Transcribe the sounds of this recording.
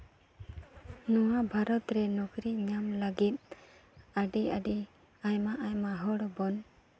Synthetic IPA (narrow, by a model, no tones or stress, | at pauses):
nɔwabʱaɾɔt̪ɾɛnɔɡɾiɲamlaɡit̪̚ | aɖiaɖi | ajmaʔajmaɦɔɽɔbɔn